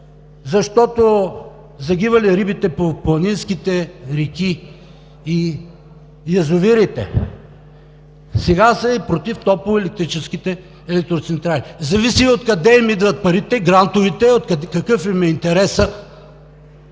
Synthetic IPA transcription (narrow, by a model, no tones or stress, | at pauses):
zɐʃt̪ɔt̪o | zɐɡivɐliɾibit̪ɛpoplˠɐninskit̪ɛɾikʲi | i | jɐzʊviɾit̪ɛ̰ | sɛɡasɐipɾot̪ift̪ɔpɛlɛk̚t̪ɾit͡ʃɛskit̪ɛ | ɛlɛk̚t̪ɾot̪sɛnt̪ɾalizɐvisiot̪kɐd̪ɛimid̪vɐt̪̚pɐɾit̪ɛɡɾant̪ovit̪ɛot̪kɐkɤfimɛint̪ɛɾɛsə